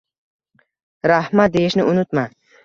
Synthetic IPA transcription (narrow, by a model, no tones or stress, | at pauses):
ɾahmat̪̚d̪e̞jɪʃnɪʊnɪt̪ma